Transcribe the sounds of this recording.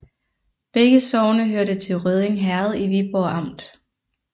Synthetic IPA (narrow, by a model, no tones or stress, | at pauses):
b̥eɡ̥əsɒʊnəɦøɐɾət͡sʰe̝lʁøð̞ˠeŋɦæɐð̞̩ˠiʋib̥ɒɑ̈m̰d̥